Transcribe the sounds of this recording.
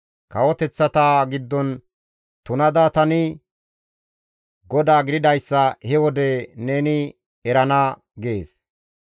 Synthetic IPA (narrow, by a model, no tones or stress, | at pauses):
kɐwɔt̪ɛt͡sːɐt̪aːɡɪd̪ːɔn | t̪ʊnɐd̪ɐt̪ɐnɪ | ɡɔd̪aːɡɪd̪ɪd̪ɐjsːɐhɛwɔd̪ɛneːnɪ | ɛɾɐna | ɡe̞ːs